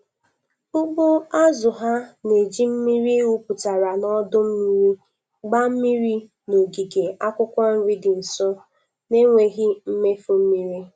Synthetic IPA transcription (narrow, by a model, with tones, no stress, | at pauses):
ʊ˦ɡ͡bʊ˦a˦zʊ˨ɦa˦ne˨d͡ʒi˦m̩˦mi˦ɾi˦u˦pʊ˨ta˨ɾa˨nɔ˦dʊ˦m̩˦mi˦ɾi˦ | ɡ͡ba˦m̩˦mi˦ɾi˦ | no˨ɡi˨ɡe˨a˦kʷʊ˦kʷɔ˦n̩˦ɾi˦dɪ˨n̩˨sʊ˦ | ne˦ŋʷe˨ɣi˦m̩˦me˦fo˦m̩˦mi˦ɾi˦